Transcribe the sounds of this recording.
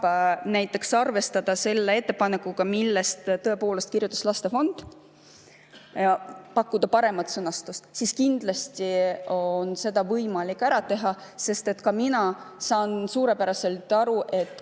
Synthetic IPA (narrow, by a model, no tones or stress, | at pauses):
næjt̪ːˑe̞ksɑrve̞st̪ɑd̪̥ɑse̞lːe̞e̞t̪ːe̞pɑnekːˑuɡ̥ɑmilːe̞st̪t̪ɤ̞e̞po̞ːle̞st̪kirjut̪ːˑɑ̥slɑst̪e̞fo̞nd̪̥ | pɑkːud̪̥ɑpɑɾe̞mɑt̪sɤnɑst̪ust̪siskind̪̥lɑst̪ionse̞d̪̥ɑvɤjmɑlikːˑæɾɑt̪e̞ɦɑse̞st̪e̞t̪ːkɑminɑsɑːnsuːɾe̞pæɾɑse̞lt̪ːˑɑɾuʔe̞t̪ːˑ